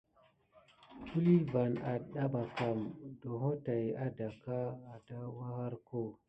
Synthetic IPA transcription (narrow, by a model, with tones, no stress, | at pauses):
ku˦li˦va˨na˨ɗa˦ɓa˨ka˨mdo˨ɦo˦ta˨ja˦da˨ka˦a˨da˦wa˦ha˦ɾko˦˨